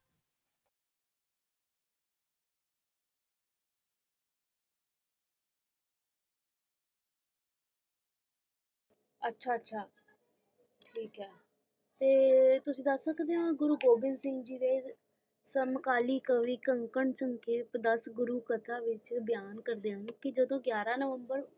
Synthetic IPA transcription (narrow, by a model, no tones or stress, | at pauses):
ətːʃʰaːətːʃʰaː | ʈʰiːkɦɛː | t̪eːt̪ʊsĩːd̪əsːəkʰd̪eːɦãːɡʊɾuːɡoːbɪnsɪ̃ŋɡd͡ʒiːd̪eː | səmkaːliːkəʋiːkəŋkəɳt͡ʃəmkeːpd̪əsɡʊɾuːkət̪ʰaːʋɪt͡ʃbjaːnkəɾd̪eːɦənkɪd͡ʒəd̪õːɡjaːɾaːnəʋəmbəɾ